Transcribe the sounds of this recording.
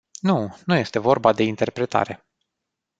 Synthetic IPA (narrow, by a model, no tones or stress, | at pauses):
nunuje̞st̪e̞vo̞rbad̪e̞int̪e̞rpɾe̞t̪a̰ɾe̞